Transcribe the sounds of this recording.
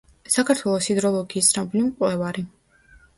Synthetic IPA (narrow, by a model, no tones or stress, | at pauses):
sakʰaɾt̪ʰwɛlˠɔsid̪ɾɔlˠɔɡiːsɾablimkʼwlɛvaɾi